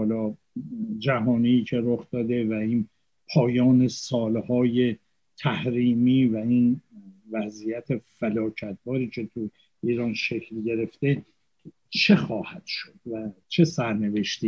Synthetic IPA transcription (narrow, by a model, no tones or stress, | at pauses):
lɒː | d͡ʒæɦɒːniːcʰe̞ɾoxd̪̥ɒːd̪e̞væiːn | pʰɒːjɒːne̞sɒːlhɒːje̞ | t̪ʰæhɾiːmiːvæinvæzijæt̪ʰe̞fælɒːcʰæt̪̚bɒːɾiːcʰe̞t̪ʰu | iːɾɒːnʃe̞cʰlɟe̞ɾe̞ft̪e̞ | t͡ʃʰe̞xɒːhæd̪̥ʃo̞d̪̥væt͡ʃʰe̞sæɾne̞ve̞ʃt̪i